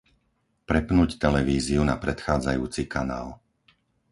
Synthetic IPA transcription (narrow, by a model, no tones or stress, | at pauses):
pɾɛpnuːct̪ɛlɛʋiːziuna̰pɾɛt̪xaːd͡za̰juːt͡sikanaːl